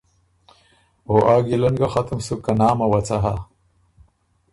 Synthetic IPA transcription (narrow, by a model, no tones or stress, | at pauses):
oʔaːɡilɐnɡaxat̪əmsukanaːmawat͡saɦa̰